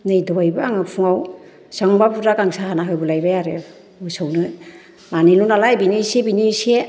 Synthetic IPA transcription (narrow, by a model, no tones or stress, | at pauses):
nɯjdɔajbɯaŋɯpʰuŋaw | saŋbapuɾakaŋsahanaɦɯjbulajbajaɾe | usawnɯ | manilunalajbinisebinise